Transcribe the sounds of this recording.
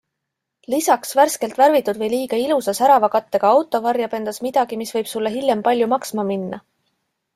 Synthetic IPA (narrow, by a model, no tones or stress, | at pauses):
lisɑksværske̞lt̪væɾvit̪ːˑud̪̥vɤjliːɡɑilusɑsæɾɑvɑkɑt̪ːe̞ɡ̥ɑɑwt̪ːˑo̞vɑrjɑpe̞nd̪̥ɑsmid̪̥ɑɡ̥imisvɤjb̥sulːeɦiljempɑlʲjumɑksmɑminːɑ̰